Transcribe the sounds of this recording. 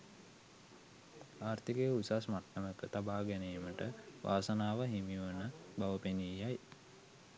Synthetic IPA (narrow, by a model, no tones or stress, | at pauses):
aːrt̪ikejusasmaʈːəməkət̪abaːɡɛneːməʈəʋʔa̰ːsənaːʋəɦimijuʋənəbaʋəpenijaj